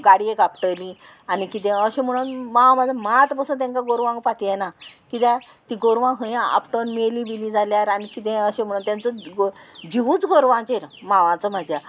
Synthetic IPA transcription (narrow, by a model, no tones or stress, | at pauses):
ɡaɽiekapʈəlĩ | anikit̪ɛ̃əɕẽm̤əɽ̃uːnmaʋãməd̪ʱamat̪pəsə̃t̪ẽŋkãɡoɾʋãŋɡpat̪jenakit̪a | t̪iɡoɾʋãŋɡɦə̃jãa̰pʈənmelibilĩd͡zʱaljaɾanikit̪ɛ̃əɕẽm̤əɽ̃uːnt̪ant͡sə | d͡ʑiʋut͡sɡoɾʋãt͡ɕeɾmãʋãt͡səm̤ad͡ʑʱja